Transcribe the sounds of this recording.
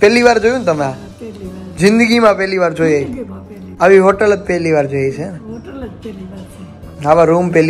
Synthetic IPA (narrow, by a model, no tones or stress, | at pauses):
pɛlːiʋaːɾd͡ʒojunt̪ɐmjaː | d͡ʒɪnd̪ɨɣimaːpelːiʋaːɾd͡ʒojɐj | ɐʋihɔʈːɐlɐt̪̚peːlːiʋaːɾd͡ʒojejseɾ | ɐʋaɾuːmpelː